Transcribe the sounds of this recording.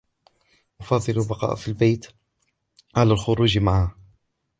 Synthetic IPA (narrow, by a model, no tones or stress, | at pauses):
ʔʊfɑðˤːɨlʊbɑqɑ̰ːʔfilbejt̪ | ʕalaːlxʊɾuːd͡ʒmaʕa